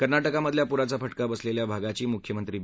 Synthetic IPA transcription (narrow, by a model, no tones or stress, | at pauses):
kəɾnaʈəkaməd̪ʱljapuɾat͡safəʈkabəsleljabʱaɡat͡ɕiːmukʰjəmənt̪ɾiː